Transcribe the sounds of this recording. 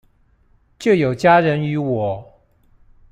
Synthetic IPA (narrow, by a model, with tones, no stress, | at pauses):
t͡ɕjo˥˩jo˨˩ʊt͡ɕja˥ɻə˧˥ny˧˥wɔ˨˩˦